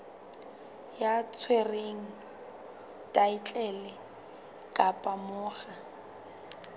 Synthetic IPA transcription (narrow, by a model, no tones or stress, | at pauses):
jat͡sʰwereŋ̩ | tʼait͡ɬʼɛlɪ | kʼapʼamʊːχa